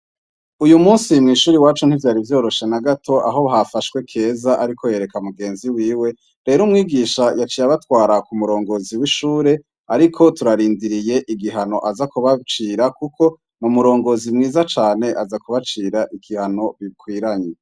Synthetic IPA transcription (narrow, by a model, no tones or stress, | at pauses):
ujumuːnsimŋiːʃuːɾiwaːt͡ʃun̥hivjaːɾivjo̞ːɾo̞ʃe̞naɡatʰo̞ʔa̰ɦo̞βɦafaʃkwe̞kʰe̞ːzaʔaɾikʰoje̞ːɾe̞kamuɡe̞ːnziwiːwe̞ | ɾe̞ːɾumŋiːɡiːʃajat͡ʃiːjaβatwaːɾakumuɾo̞ːŋɡo̞ːziwiʃuːɾe̞ | aɾikʰo̞tuɾaɾiːndiɾije̞ʔiɡiɦano̞ʔazakuβat͡ʃiːɾakukʰo̞ | numuɾo̞ːŋɡo̞ːzimŋiːzat͡ʃaːne̞ʔazakuβat͡ʃiːɾaʔikihano̞βikwiːɾaɲe